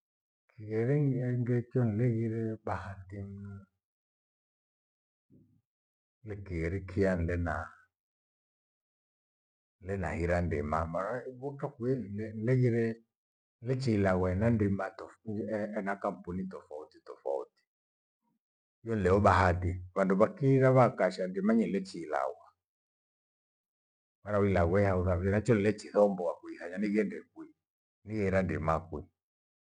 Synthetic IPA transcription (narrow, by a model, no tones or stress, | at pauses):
kʰiɣɛɾɛŋŋɡɛkiɔn̩lɛɣiɾɛɓahatim | lɛkiɣɛɾɛkʰijan̩lɛna | n̩lɛna̰hiɾandḭmamaɾabɔkakuɛn̩lɛnlɛɣiɾɛ | lɛt͡ʃiːlaɣaɛnandimatɔfɛnakam̩punitɔfautitɔfa̰ṵti̥ | jɔn̩lɛɔɓaɦatiβanduβakiɾaβakaʃandimaɲɛlɛt͡ʃila̰ɣwa | maɾawilaɣwɛhauɾaɛnat͡ʃɔnilɛt͡ʃiθɔmbɔakuiθaɲaniɣɛndɛkwi | niɣɛiɾandḭmakwi